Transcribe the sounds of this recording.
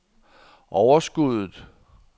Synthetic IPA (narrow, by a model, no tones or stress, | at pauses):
ʔɒʊɐsɡ̥uð̰ˠð̩ˠ